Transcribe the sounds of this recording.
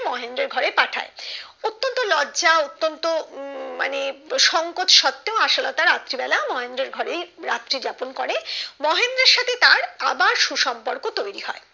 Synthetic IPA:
mɔɦend̪ɾeɾɡʱɔɾepaʈʰa̰eot̪ːont̪olɔdːʑaot̪ːont̪oma̰neʃɔŋkot̪ʃɔt̪ːeoaʃolot̪aɾat̪ːɾibɛlamɔɦend̪ɾeɾɡʱɔɾejɾa̰t̪ːɾid͡ʑaponkɔɾemɔɦend̪ɾeɾʃat̪ʰet̪aɾa̰baɾʃuʃɔmpoɾkot̪ojɾiɦɔ̰e

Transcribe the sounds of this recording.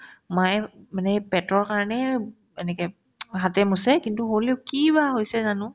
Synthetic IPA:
majmanɛpɛtɔɹkaɹnɛ | enɛkɛ | ɦatɛmusɛkintuɦoleʊkibaɦojsɛzanʊ̃

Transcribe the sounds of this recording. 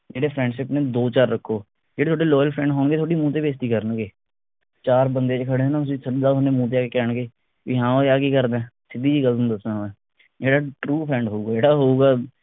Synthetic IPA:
d͡ʒeːɽeːpʰɾɛ̃ːɳɖʃɪpneːd̪oːt͡ʃaːɾːəkʰːoː | d͡ʒeːet̪ʰoːɖeːlɔːjəlpʰɾɛ̃ːɳɖɦoːɳɡeːt̪ʰoːɽiːmũːt̪̬eːbeːst̪iːkəɾənɡeː | t͡ʃaːɾbənd̪eːt͡ʃːkʰəɽeːnãːt̪ʊsĩːsəd̪aːneːmũːt̪̬eːaːkeːkɛːɳɡeː | ʋḭːɦãːoaːkiːkəɾd̪ẽːsɪd̪iːd͡ʒiːɡəlũːd̪əsnaɦoːɛ̃ː | d͡ʒeːɽaːʈɾuːpʰɾɛ̃ːɳɖɦoːuːɡaːd͡ʒeːɽaːɦoːuːɡaː

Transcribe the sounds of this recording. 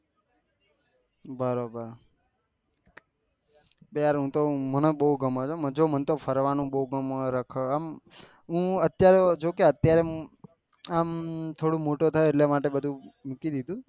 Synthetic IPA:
bəɾobəɾ | beaɾɦũt̪omənebəɦuɡəmat͡ʃʰoməd͡ʒomənt̪ofʰəɾʋanũɓəɦuɡəmɾəkʰəam | ɦũət̪jaɾed͡ʒokeət̪jaɾe | amt̪ʰoɽũmoʈot̪ʰaeeʈlemaʈebəd̪ʱũmukid̪id̪ʱũ

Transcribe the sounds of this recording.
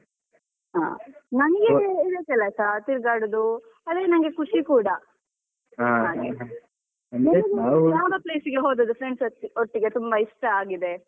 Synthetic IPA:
ɦa̰ːnɐŋɐɡeid̪ekɛlɐsat̪iɾɡaːɽud̪u | ɐd̪eːnɐŋɡe̞kuʂikuːɽɐ | aɦaːɡɡe | ɐnenɐjaːʋɐple̞ːsiɡe̞ɦoːd̪ɐd̪ufɾeɳɖsoioʈːiɡe̞t̪umbɐiʂʈɐaːɡid̪e̞

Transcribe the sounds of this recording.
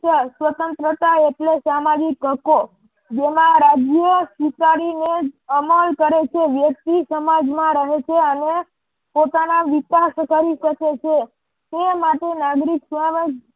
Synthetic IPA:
əsʋət̪ənt̪ɾət̪aeʈlesamad͡ʒikəko | d͡ʒemãɾad͡ʒjəsikaɾineəməlkəɾet͡ʃʰeʋjək̚t̪isəmad͡ʒmãɾəɦet͡ʃʰeəne | pot̪anaʋikaskəɾiʃəket͡ʃʰe | t̪emaʈenaɡɾiksʋaməd͡ʒ

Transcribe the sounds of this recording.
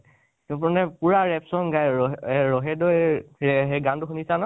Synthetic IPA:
tɔpɔnɛpuɹaɹɛpsɔnɡajɛɹɔɦɛdɔjɛɦeɡantʊxunisanɔ

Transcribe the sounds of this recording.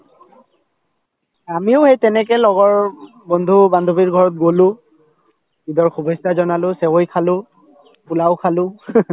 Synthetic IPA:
amiʊhejtɛnɛkɛlɔɡɔɹ | bɔndʱubandʱobiɹɡʱɔɹɔt̚ɡolʊ̃ | bidɔɹxubʱɔstazɔnalʊsɛwojkʰalʊ̃ | pulaʊkʰalʊ̃

